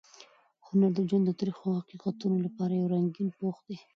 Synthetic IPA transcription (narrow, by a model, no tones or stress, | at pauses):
hʊnaɾd̪əd͡ʒand̪ət̪ɾixohɑqiqɑt̪unolapɑɾajawɾaŋɡinpoχd̪i